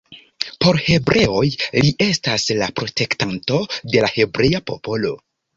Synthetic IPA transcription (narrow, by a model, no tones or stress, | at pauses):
po̞ɾhe̞bɾe̞ojliʔe̞staslapɾo̞te̞ktanto̞de̞lahe̞bɾe̞japo̞po̞lo̞